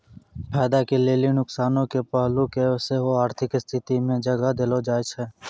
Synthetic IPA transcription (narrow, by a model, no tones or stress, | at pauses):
pʰɛːd̪akeleːlinʊksaːnõkepəɦlukeseɦoaːɾt̪ʰɪkɪst̪ʰɪt̪imẽd͡ʒəɡad̪elod͡ʒaːjt͡ʃʰɛː